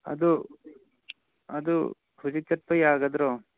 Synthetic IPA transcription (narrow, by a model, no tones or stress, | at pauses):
ɐ̰d̪u | ɐd̪ṵ | hud͡ʒit̪ɐɾ̚pɐjaːɡɐd̪ɾo